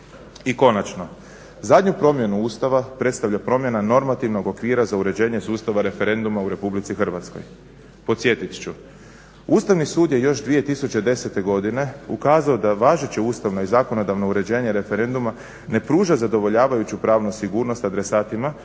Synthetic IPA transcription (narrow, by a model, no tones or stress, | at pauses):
iko̞nat͡ʃno̞ | zad̪ɲupɾo̞mje̞nuuːst̪aʋapɾe̞t̪st̪aʋʎʲapɾo̞mje̞nano̞ɾmat̪iʋno̞ɡo̞kʋiːɾazauɾe̞d͡ʑe̞ːɲe̞suːst̪aʋaɾe̞fe̞ɾe̞nd̪umauɾe̞publit̪sixr̩ʋat̪sko̞̰j | po̞t̪sje̞t̪it̪t͡ʃu | uːst̪aʋnisuːd̪je̞jo̞ʃd̪ʋije̞t̪isut͡ɕe̞d̪e̞se̞t̪e̞ɡo̞d̪ine̞ukaːzaod̪aʋaːʒet͡ɕeuːst̪aʋno̞izaːko̞no̞d̪aʋnouɾe̞d͡ʑe̞ːɲe̞ɾe̞fe̞ɾe̞nd̪uma | ne̞pɾuːʒazad̪o̞ʋo̞ʎaːʋajut͡ɕupɾaːʋnusiɡuːɾno̞st̪ad̪ɾe̞saːt̪ima